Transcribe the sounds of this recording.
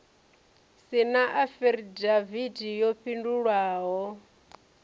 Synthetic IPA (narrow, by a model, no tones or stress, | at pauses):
sinaʔafɛɾidavidijɔɸʰinduɺwaːɦɔ